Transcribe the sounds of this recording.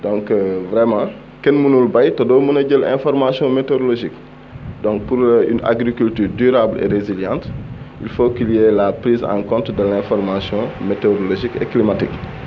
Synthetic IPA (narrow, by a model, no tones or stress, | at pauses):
dɔ̃ŋkvɾɛmɑ̃ | kɛnmunulbɐjtɐdɔːmunɐɟəlɛ̰̃fɔrmasjɔ̃metoɾoloʒik | dɔ̃ŋk̚puɾyna̰ɡɾikyltyːrdyɾablḛɾeziljɑ̃ːnt | ilfokiljɛːlapɾiːzã̰ːkɔ̃ntdəlɛ̃fɔrmasjɔ̃meteɾoloʒikɛ̰kːlimatḭk